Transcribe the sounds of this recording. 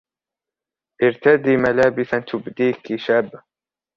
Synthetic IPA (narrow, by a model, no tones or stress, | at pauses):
ʔɪɾt̪ad̪iːmalaːbɪsant̪ʊbd̪iːkiʃab